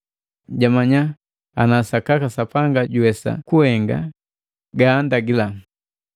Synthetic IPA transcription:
ɟamaɲa | anasakakasapaŋɡaɟuɛsa̰kuhɛŋɡa̰ | ɡaːndaɡila

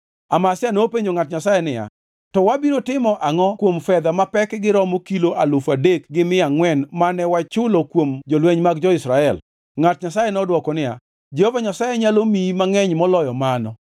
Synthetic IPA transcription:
amasɪanoːpeɲd͡ʒoŋatɲasajɛnɪja̰ | tɔwabiɾotɪmɔʔaŋɔkwomfɛd̪amapɛkɡɪɾɔmokiloʔalʊfadekɡɪmɪaŋwɛnmanɛwat͡ʃʊlokwomd͡ʒɔlweɲmaɡd͡ʒɔɪsɾaɛl | ŋat̚ɲasajenɔdwɔkɔnɪja̰ | d͡ʒɛhovaɲasajɛɲalomimaŋɛɲmɔlɔjɔmanɔ

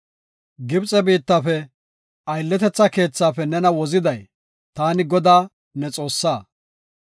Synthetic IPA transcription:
ɡɪbt͡sʼɛbiːt̪ːaːfɛ | ɐjlːɛt̪ɛt͡sːɐke̞ːt͡sːaːfɛnɛnɐwɔzɪd̪ɐj | t̪aːnɪɡɔd̪aː | nɛt͡sʼo̞ːsːaː

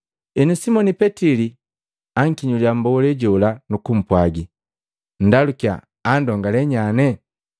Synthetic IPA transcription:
inusimɔnipɛtili | aŋ̩kiɲuliambɔɔlɛɟɔlanukum̩pwaɡi | n̩dalukia̰ː | ndɔŋɡalɛɲanɛ

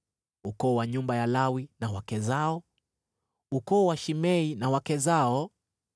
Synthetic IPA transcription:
ukɔːwaɲumbajalawinawakɛzaɔ | ukɔːwaʃimɛinawakɛzaɔ

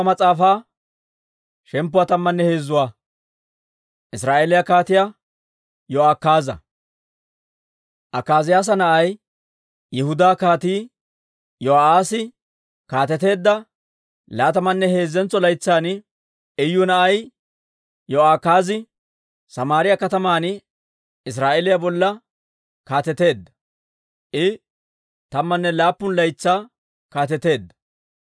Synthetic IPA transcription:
mɐt͡sʼaːfaː | ʃɛmpːʊwaːt̪ɐmːɐnːɛhe̞ːzːʊwaː | ʔɪsɾaːʔeːlɪjɐkaːt̪ɪja | jɔaːkːaːzɐ̰ | ʔɐkːaːzɪjaːs̬ɐnɐʔɐj | jɛhʊd̪aːkaːt̪iː | jɔaːsɪ | kaːt̪ɛt̪e̞ːd̪ːɐ | laːt̪ɐmɐnːɛhe̞ːzːɛnt͡sːɔlɐjt͡sːaːn | ɛjːʊnɐʔɐj | jɔaːkaːzɪ | sɐmaːɾɪjɐkɐt̪ɐmaːnɪ | ɪs̬ɾaːʔelɪjɐbɔlːɐ | kaːt̪ɛt̪e̞ːd̪ːɐ̥ | ʔɪ | t̪ɐmːɐnːɛlaːpːʊnlɐjt͡sːaː | kaːt̪ɛt̪e̞ːd̪ːɐ̥

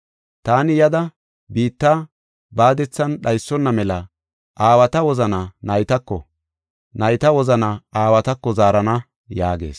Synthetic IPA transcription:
t̪aːnɪjɐd̪ɐ | biːt̪ːa | baːd̪ɛt͡sːɐnɗɐjsːɔnːɐmɛlɐ | ʔaːwɐt̪ɐwɔzɐnɐnɐjt̪ɐkːɔ̰ | nɐjt̪ɐwɔzɐnɐaːwɐt̪ɐkːɔzaːɾɐnɐ | jaːɡe̞̰ːs

